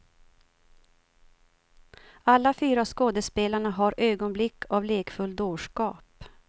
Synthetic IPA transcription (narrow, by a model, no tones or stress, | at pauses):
alːafyːɾaskoːd̪ɛspeːlaɳaɦaɾʔøːɡɔnblɪkːavleːkfɵld̪oːʂkɑːp